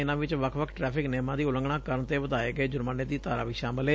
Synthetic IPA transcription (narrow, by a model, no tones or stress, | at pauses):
ɪnãːʋɪt͡ʃʋəkʰʋəkʰʈɾɛːpʰɪknɛːmãːd̪iːʊlə̃ŋɡɳãːkəɾənt̪eːʋəd̪aːeːɡəeːd͡ʒʊɾmaːneːd̪iːt̪aːɾa̰ːʋiːʃaːməlɦeː